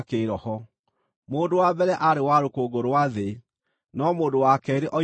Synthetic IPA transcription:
keɾɔhɔ | moːndowabɛɾɛʔaɾewaɾokoɡoɾowaðe | nɔmoːdowakɛɾeʔɔ

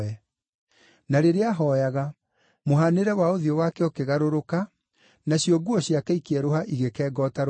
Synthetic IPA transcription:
ɛ | naɾeɾeaɦɔjaɣa | moɦaneɾɛwaoðiowakɛokeɣaɾoɾoka | naɕiɔɡuɔɕjakɛikeɛɾoɦaʔiɣekɛːɡɔːtaɾ

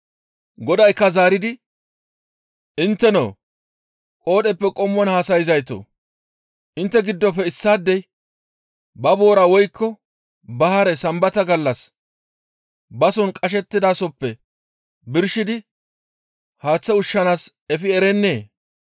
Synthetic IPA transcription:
ɡɔd̪ɐjkːɐzaːɾɪd̪ɪ | ʔɪnt̪ːɛno̰ː | kʼo̞ːɗɛpːɛkʼɔmːɔnhaːsɐjɪzɐjt̪o̰ː | ʔɪnt̪ːɛɡɪd̪ːɔpːɛɪsːaːd̪ːɛj | bɐbo̞ːɾaːwɔjkʰːɔ | bɐhɐɾɛsɐmbɐt̪ɐɡɐlːɐs | bɐsɔnkʼɐʃ̬ɛt̪ːɪd̪aːsɔpːɛ | bɪɾʃɪd̪ɪ | haːt͡sːɛʊʃːɐnaːs | ɛfɪɛɾɛnːe̞ː

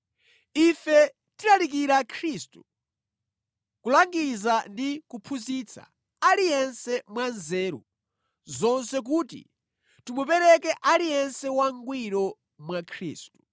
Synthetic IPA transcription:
ifɛ | tiɾalik̬iɾakʰɾistu̥ | kulaŋɡizandikupʰuzit͡sʰa̰ | alijɛnsɛmwanzɛːɾṵ | zɔnsɛk̬uːtḭ | timupɛɾɛkɛʔalijɛnsɛwaŋɡwiɾɔ | mwakʰɾḭːstu̥

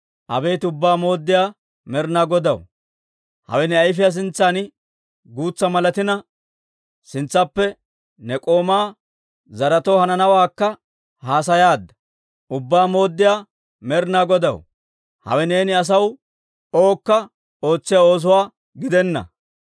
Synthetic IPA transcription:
ʔɐ̰beːt̪ʊbːaːmo̞ːd̪ːɪjaː | mɛɾnaːɡɔd̪ɐw | hɐ̰wɛnɛɐjfɪjas̬ɪnt͡sːan | ɡuːt͡sːɐmɐlɐt̪ɪnɐ | sɪnt͡sːɐpːɛ | nɛkʼo̞ːmaː | zɐɾɐt̪ohɐnɐnɐwaːkːɐ | haːs̬ɐjaːd̪ːɐ̥ | ʔʊbːaːmo̞ːd̪ːɪjaː | mɛɾnaːɡɔd̪ɐw | hɐ̰wɛne̞ːnɪɐs̬ɐw | o̞ːkːɐ | o̞ːt͡sːɪjao̞ːs̬ʊwaː | ɡɪd̪ɛnːɐ̰

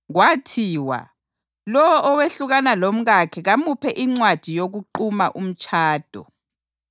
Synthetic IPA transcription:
ɣwatʰiːwa̰ | lɔwɔʔɔweɬuɣanalom̩ɣakʰɛɣamupʰɛʔiŋ͡ǀwad̥ʱijoɣuǃumaʔum̩t͡ʃʼʰaːd̥ʱɔ̰

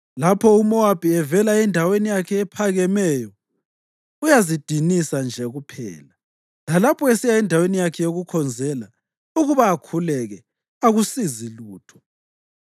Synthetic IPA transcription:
lapʰɔumɔwapʰʼiɛvɛlaɛndʱawenijakʰɛɛpʰaɣɛmɛjɔ | ujazid̥ʱinisand͡ʒʱɛɣupʰɛ̰ːla | lalapʰɔesijaɛndʱawenijakʰɛjoɣukʰɔnd͡zʱɛla | uɣuβaːkʰulɛɣɛ | aɣusiziluːtʰɔ̥

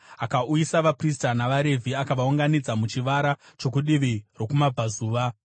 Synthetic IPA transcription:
akaujisaʋapris̬tanaʋaɾe̞vʱiakaʋauŋɡanid͡zamut͡ʃiʋaɾat͡ʃo̞k̬uɗiʋiro̞kumabʱazuːʋa

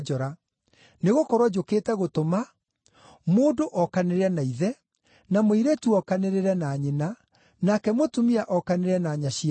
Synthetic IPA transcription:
d͡ʒɔɾa | neɣokɔɾwad͡ʑokeːtɛɣotoma | moːdoʔɔkaneɾeɛnaiðɛ | namoiɾetuɔkaneɾeɾɛnaɲena | nakɛmotumiaʔɔkaneɾɛnaɲaɕia

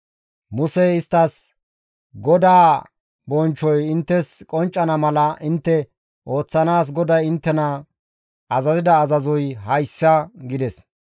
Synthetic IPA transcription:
mʊsɛɪst̪ːɐs | ɡɔd̪aː | bɔnt͡ʃːɔjɪnt̪ːɛskʼɔnt͡ʃʼːɐnɐmɐlɐʔɪnt̪ːɛ | ʔo̞ːt͡sːɐnaːs̬ɡɔd̪ɐjɪnt̪ːɛnɐ | ʔɐzɐzɪd̪ɐːzɐzɔjɦɐjsːɐɡɪd̪ɛs

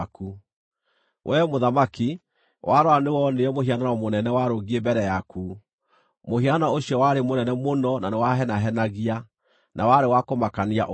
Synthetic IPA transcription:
ku | wʔɛmoðamaki | wʔaɾɔanewɔneɔmohianaɔmonɛnɛwaɾoɣiembɛɾɛjaku | mohianaoɕiɔwaɾemonɛnɛmonɔnanewaɦɛnaɦɛnaɣia | nʔawaɾewakomakaniaʔ

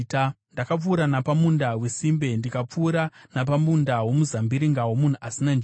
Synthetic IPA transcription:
ndakap͡fuːɾanapamundawe̞simbe̞ndikap͡fuːɾanap̬amundawo̞muzambiɾiŋɡawo̞mun̤uʔasinand͡ʒ

